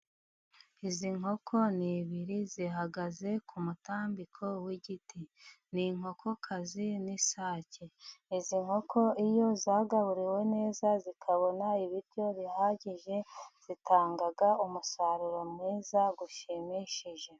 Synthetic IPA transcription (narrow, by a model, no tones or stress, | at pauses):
iziŋ̥ɦo̞kʰo̞niβiɾiziɦaɡaze̞kʰumutaːmbikʰo̞wiɟiti | niŋ̥o̞kʰo̞kʰazinisaːceiziŋho̞kʰo̞ijo̞zaːɡaβuɾiwe̞ne̞ːzazikʰaβo̞naiβiɾjo̞βihaːɟiʒe̞z̥itʰaːŋɡaɡaumusaɾuɾo̞mŋiːzaɡuʃemiʃiʒe̞